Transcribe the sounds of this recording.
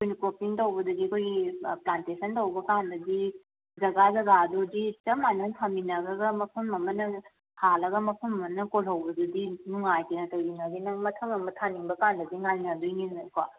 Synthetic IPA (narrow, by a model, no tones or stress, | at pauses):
kʰojnɐkopiŋtowbɐdɐɡiɐkʰojɡiplantesʰɐntowbɐkanbɐdi | zɐɡazɐɡadoditɐmanɐntʰaminɐɡɐɡɐmɐpʰɐmɐmɐnɐ | halɐɡɐmɐpʰɐmɐmnɐkolɦɐwbɐdudinuŋajkinɐtɐwinɐdinɐŋmɐtʰɐŋɐmɐtʰaniŋbɐkandɐdiŋaniŋadujninɐkwa